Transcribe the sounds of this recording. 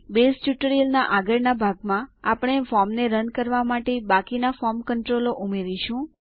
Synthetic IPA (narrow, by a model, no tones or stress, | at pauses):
besʈjuʈɾiəlnaʔaɡəɾnabʱaɡmãapəɽ̃efɔmneɾənkəɾʋamaʈebakinafɔmkəɳʈɾoloʔumeɾiʃũ